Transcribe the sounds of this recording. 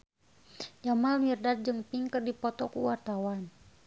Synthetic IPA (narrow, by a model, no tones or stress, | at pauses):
d͡ʒamalmirdat̪d͡ʒɨŋpiŋkɨrdipɔt̪ɔkṵwart̪awan